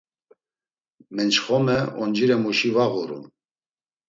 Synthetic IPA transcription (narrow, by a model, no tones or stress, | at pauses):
mɛnt͡ʃχɔmɛɔnd͡ʒiɾɛmuʃivaɣuɾṵn